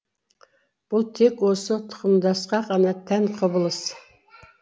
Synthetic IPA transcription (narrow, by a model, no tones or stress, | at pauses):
b̥ulˠt̪ʰekwosot̪ʰʊ̥χʊmd̪ɑsqɑqɑnɑt̪ʰænqʰobɨlˠɨs